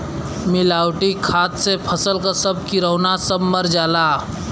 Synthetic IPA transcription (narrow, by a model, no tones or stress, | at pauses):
milaːwʈikʰaːt̪sepʰəsəlkasəb̚ʱkiɾəʊnasəbməɾd͡ʒaːla